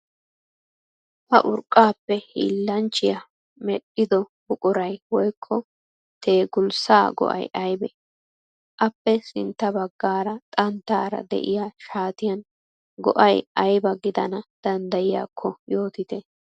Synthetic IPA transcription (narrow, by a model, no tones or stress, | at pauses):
hɐ̰ʔʊɾkʼːaːpːɛhḭːlːɐnt͡ʃːɪjɐ | mɛɗːɪd̪ɔbʊkʼʊɾɐjwɔjkʰːɔ | t̪e̞ːɡʊlsaːɡɔ̰ʔɐ̰jʔɐjbɛ̰ | ʔɐpːɛsɪnt̪ːɐbɐɡːaːɾɐt̪ʼɐnt̪ːaːɾɐ̰d̪ɛ̰ʔɪjaʃaːt̪ɪjɐn | ɡɔ̰ʔɐjɐjbɐɡɪd̪ɐnɐd̪̥ɐnd̪ɐjɪja̰ːkʰːɔjo̞ːt̪ɪt̪ɛ